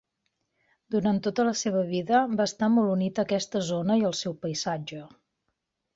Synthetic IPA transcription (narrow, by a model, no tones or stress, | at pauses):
d̪uɾnant̪ːot̪ələseβ̞əβ̞iðəbaəst̪amolˠunit̪əkɛst̪əzonəiəlˠsɛwpəizad͡ʒə